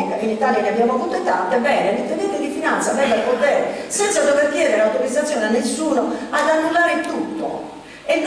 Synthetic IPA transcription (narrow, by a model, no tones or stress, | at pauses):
ikainit̪aːljaneabjamoavuːt̪oet̪ant̪ebɛːnelit̪ːevɛnt̪ːid̪ifinant̪sad̪ɛvalpot̪ɛːɾesɛnt̪sad̪oveɾkjɛːd̪eɾeawt̪oɾid̪zat̪sːjɔːneanːesːuːnoad̪anːulːaːɾet̪ut̪ːo̰ | ɛn